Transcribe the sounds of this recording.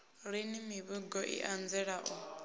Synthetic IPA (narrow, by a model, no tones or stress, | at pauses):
ɺinimiβuɡɔʔḭʔand͡zɛɺaʔɔ